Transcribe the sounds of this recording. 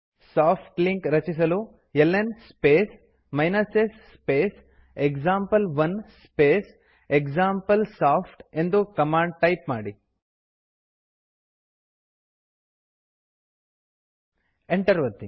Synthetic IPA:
saːpʰʈliŋkɾɐt͡ʃis̬ɐlu | jelːenspeːs | mɐjnɐsesspeːs | ekd͡ʒaːmpɐlʋɐnspeːs | ekd͡ʒaːmpɐlsaːpʰʈe̞nd̪ukɐmaːɳɖ̚ʈɐjpmaːɽi | eɳʈɐɾʋɐt̪ːi

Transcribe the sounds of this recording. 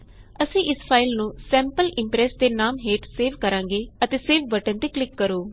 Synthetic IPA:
əsĩːʔɪspʰaːɪlnũːsɛ̃ːmpəlɪmpɾɛːsd̪eːnaːmɦeːʈseːʋkəɾãːŋɡeːət̪eːseːʋbəʈə̃nt̪eːklɪkːəɾoː

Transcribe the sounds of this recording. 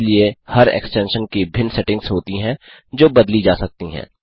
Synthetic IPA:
liehɐɾɛ̰ːksʈɛ̃ːnʃənkibʱɪnsɛʈɪ̃ŋɡsɦoːt̪iɦɛ̃ | d͡ʒoːbɐd̪lid͡ʒaːsɐk̚t̪iɦɛ̰̃ː

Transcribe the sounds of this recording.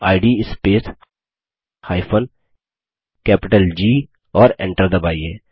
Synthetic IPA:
aːɪɖispeːs | haːɪpʰən | kɛːpɪʈəld͡ʒiː | ɔːɾɛ̰̃ɳʈəɾd̪ɐbaːiɛː

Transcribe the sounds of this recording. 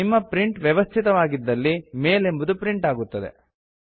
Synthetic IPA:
imːɐpɾiɳʈʋjɛʋɐst̪ʰit̪ɐʋaːɡid̪ːɐlːime̞ːle̞mbud̪upɾiɳʈaːɡut̪ːɐd̪ḛ

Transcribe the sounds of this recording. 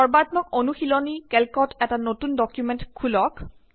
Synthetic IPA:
ɔɹbat̪mɔk̚onuxilɔnikɛlkɔtʰɛtanotundɔkjumɛntkʰulɔk

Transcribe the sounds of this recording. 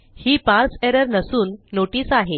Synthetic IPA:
hiːpãɾseɾəɾnəsuːnːoʈiːsaɦe

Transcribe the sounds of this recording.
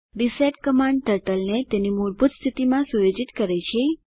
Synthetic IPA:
ɾiseʈ̚kəmaɳɖʈəɾʈəlnet̪enimuɾbʱut̪st̪ʰit̪imãsujod͡ʒit̪kəɾet͡ʃʰe

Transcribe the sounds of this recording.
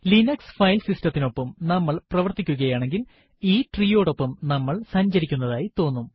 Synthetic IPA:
linɐksfɐjlsistɐt̪ːino̞pːɐmnɐmːɐɭprɐʋɐrt̪ːikʲːuɣɐjaːɳe̞ŋɡil | iːʈriːjo̞ːɽo̞pːɐmnɐmːɐɭsɐɲd͡ʑɐɾikʲːunːɐðaːjit̪o̞ːnːum

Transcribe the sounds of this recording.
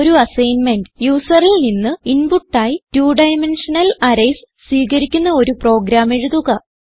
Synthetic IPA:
oɾuɐsɐjnme̞nɖɨjuːsɐrilninːɨinbuʈːaːjitjuːɖɐjmenʂɐnɐlɐɾɐjs | swiːkɐɾikʲːunːɐo̞ɾupro̞ːɡɾaːme̞ɻuðuɣɐ

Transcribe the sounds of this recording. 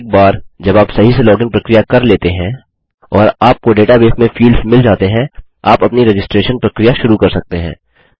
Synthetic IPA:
k̚baːɾd͡ʒɐbaːpsɐɦiselɔːɡɪ̃ŋpɾɐkɾijakɐɾleːt̪eɦɛ̃ | ɔːɾaːp̚koɖeːʈabeːpmẽfiːlsmɪld͡ʒaːt̪eɦɛ̃ | aːpɐpniɾed͡ʒɪsʈɾeːʃənpɾɐkɾijaʃʊɾukɐɾsɐk̚t̪eɦɛ̰̃ː

